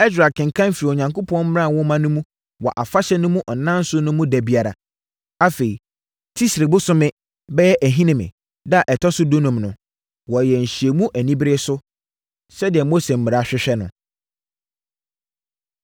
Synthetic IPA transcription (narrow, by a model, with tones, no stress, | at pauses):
ɛ˦sɾa˨kʰɪ̃˨ŋ̩˨kʰã˦m˦fi˨ɾi˨o˨ɲã˨ŋko˦pʰɔ̃˦nm̩˦ɪ̃˦ɾã˦˨wɔ̃˦mã˦nʊ̃˦mũ˦ | wɔ˨ʔa˨fa˦ɕɛ˦nʊ̃˦mũ˦ʔɔ˨nã˦n̩˦sʊ˦nʊ̃˦mũ˦dæ˨bi˨a˨ɾa̰˨ | a˦fe˨i˨ | tʰi˦sɾe˨bʊ˦sʊ˦mɪ̃˦ | bɛ˦jɛ˦ʔæ˨ɦĩ˦nɪ̃˨mɪ̰̃˨ | da˨ʔɛ˨tʰɔ˦sʊ˦do˦nũ˨mnʊ̃˨ | wɔ˨jɛ˨ɲ̩˨ɕi˨e˨mũ˦ʔæ˨nĩ˦bɾe˦sʊ˦ | sɛ˦dɪ˨ɛ˨mo˦se˨m̩˨mɪ˨ɾa˨a˨ɕᶣɪ˦ɕᶣɛ˦nʊ̃˨